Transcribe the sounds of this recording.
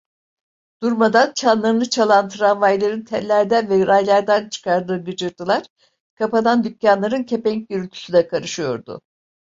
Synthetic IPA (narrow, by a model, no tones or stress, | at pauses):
d̪̥uɾmad̪ant͡ʃʰanlˠaɾɯnɯt͡ʃʰalˠant̪ʰɾanvajlˠaɾɯnt̪ʰɛnlʲæɾd̪ænvɛɾajlˠaɾd̪ænt͡ʃʰɯ̥kʰaɾd̪ɯːɡɯd͡ʒɯɾd̪ɯlˠaɾ̥ | kʰapanand̪ycjanlˠaɾɯncʰe̞pɛɲc̚ɟyɾylʲt̪ʰy̥syd̪ɛkʰaɾɯʃɯjo̞̰ɾd̪ʊ̰